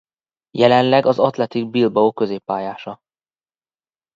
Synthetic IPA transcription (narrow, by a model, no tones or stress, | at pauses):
jɛlɛnlɛɡɒzɒt̪lɛt̪iɡ̚bilbɒokø̞zeːpːaːjaːʃɒ